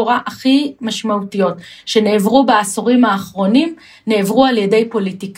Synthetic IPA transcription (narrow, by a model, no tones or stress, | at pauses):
oʁaʔaχimaʃmautijo̞tʃe̞ne̞ːvʁubaasoʁimhaːχʁo̞nim | ne̞ːvʁualjede̞jpo̞litik